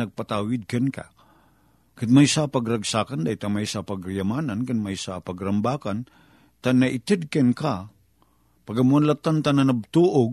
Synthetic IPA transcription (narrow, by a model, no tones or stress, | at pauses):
ɐɡ̚pat̪aːwɪd̪̚kanka̰ | kad̪majsapɐɡɾɐɡsaːkand̪ajt̪amajsapɐɡɾajamaːnankɨnmajsapɐɡɾɐmbaːkan | t̪anɐʔɪt̪ɛd̪̚kɛnka | paɡamuanlat̪ːant̪ananab̚t̪uʔoɡ